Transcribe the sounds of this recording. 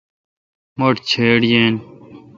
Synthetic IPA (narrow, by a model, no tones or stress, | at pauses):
moʈt͡ɕʰeːɽjeːn